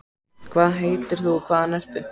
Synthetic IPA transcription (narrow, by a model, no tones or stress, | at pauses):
kʰvaːðɦeːjt̪ɪɾ̥θukʰvaːðanɛst̪ʏ